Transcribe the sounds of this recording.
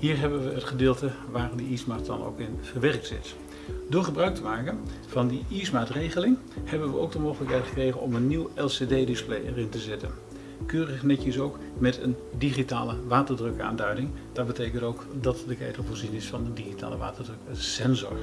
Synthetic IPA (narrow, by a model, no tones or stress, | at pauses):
ɦiːɹɦɛbənʋəətχədɪːlˠtə | ʋaːrdəismaːt̚dɑno̰wkɪnvərʋɛrk̚tsɪ̰t | dʊːɹχəbrœɥk̚təmaːkənv̥ɑndiismaːtrejχəlɪŋ | hɛbənʋəo̰wk̚dəmowχələkɦɛjtχə̥krejχənɔ̰mənːiwɛlˠsedejdɪsplḛjɛ̰rɪntəzɛtə̰n | køːrəχnɛkjəsowk | mɛtəndiχita̰ːləʋaːtərdrɵka̰ːndœɥdɪŋd̥ɑt̚bətejkəntowkdɑtdəkɛ̰jtəvʊːɹzinɪsfɑndədiχita̰ːləʋa̰ːtərdrɵksɛnzɔ̰ɹ